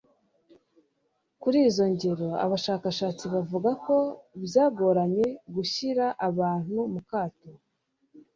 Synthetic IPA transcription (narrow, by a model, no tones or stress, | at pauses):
kuɾiːzo̞ɲɟe̞ɾo̞a̰βaʃaːkaʃaːt͡siβavuɡako̞βjaːɡo̞ːɾaɲe̞ɡuçiɾaʔaβaːn̥humukaːto